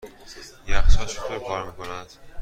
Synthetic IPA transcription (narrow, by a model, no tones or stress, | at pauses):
jæχsɒʃut̪ʰoɾkʰɒɾmiːkonæd̪̥